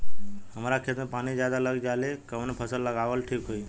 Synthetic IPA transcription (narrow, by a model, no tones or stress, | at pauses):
həmaɾakʰet̪mə̃pañid͡ʒjad̪aləɡd͡ʒalekəmnepʰəsəlːəɡaʋəlʈʰikɦoi